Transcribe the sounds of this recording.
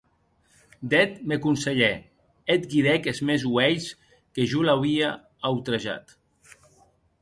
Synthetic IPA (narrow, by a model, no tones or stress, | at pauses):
d̪ɛt̪mekunseʎe | et̪ɡiɾɛkezmezwɛjs | keʒulaβia | awt̪ɾeʒa̰t̪